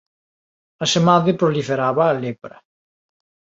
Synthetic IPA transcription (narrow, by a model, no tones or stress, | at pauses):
asemaðepɾolifeɾaβaːlepɾɐ